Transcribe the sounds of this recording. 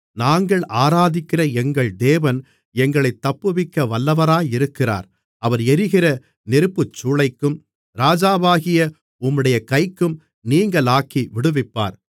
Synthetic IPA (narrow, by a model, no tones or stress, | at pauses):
naːŋɡɐɭʔaːɾaːðɪkːɪrɐɛŋɡɐɭd̪eːʋɐn | ɛŋɡɐɭɐɪt̪ːɐpːɯʋɪkːɐʋɐlːɐʋɐɾaːjɪɾɯkːɪra̰ːɾ | ɐʋɐɾɛɾɪɣɪrɐ | nɪɾɯpːɯt͡ʃːuːɭɐɪkːɯm | ɾaːd͡ʒaːβaːɣɪjɐ | ʊmːɯɽɐjɐkɐɪkːɯm | niːŋɡɐɭaːkːiʋɪɽɯʋɪpːa̰ːɾ